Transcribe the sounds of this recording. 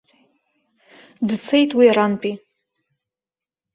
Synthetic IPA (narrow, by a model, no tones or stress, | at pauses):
dt͡sʰe̞jtʼwiaɾanpʼi